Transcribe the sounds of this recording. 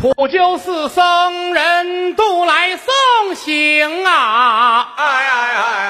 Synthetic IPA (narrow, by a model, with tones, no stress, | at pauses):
pʰu˨˩t͡ɕjo˥˧ʊsɹ̩˥˩sɤ˥ŋɻə˧˥nt̪u˥˩la˧˥ɪsɤ˥˩ŋɕi˧ŋa˧˩˧